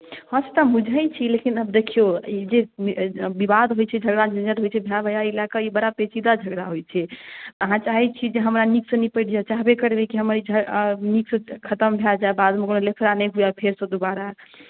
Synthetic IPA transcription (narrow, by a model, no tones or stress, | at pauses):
hə̃set̪ɔmud͡ʒʱət͡ʃʰilekinəbd̪ekʰijoid͡ʒe | bibad̪ɦojt͡ʃʰɛd͡ʒʱəɡɾad͡ʒinəɾɦojt͡ʃʰɛbʱjabəjailakəibəɽapet͡ʃid̪ad͡ʒʱəɡɾaɦojt͡ʃʰɛəɦãt͡ʃaɦit͡ʃʰid͡ʒeɦəmɾaniksə̃nipəɪʈʰd͡ʒaet͡ʃaɦbekəɾbekiɦəməɾid͡ʒʱəniksə̃kʰət̪əmbʱjɛld͡ʒaebad̪mekonolepʰɾanɛɦujapʰeɾsə̃d̪obaɾa